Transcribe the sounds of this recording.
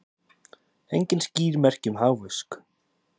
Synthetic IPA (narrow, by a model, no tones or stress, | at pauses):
ejɲcɪnsciːɾmɛr̥cʏmɦaːwvʏsk